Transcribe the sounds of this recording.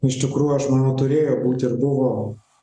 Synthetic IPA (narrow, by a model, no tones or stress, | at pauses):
ɪʃt̪ʲɪkɾuːjuɐʃmɑnoːt̪ʊɾʲeːjobuːt̪ʲɪɾbʊʋoː